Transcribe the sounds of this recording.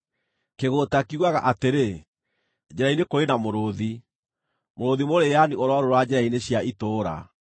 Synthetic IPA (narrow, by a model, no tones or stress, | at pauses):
keɣotakiɣwaɣaʔateɾe | d͡ʑɛɾainekoɾenamoɾoði | moɾoðimoɾejanioɾɔɾoɾwad͡ʑɛɾaineɕjaʔitoːɾa̰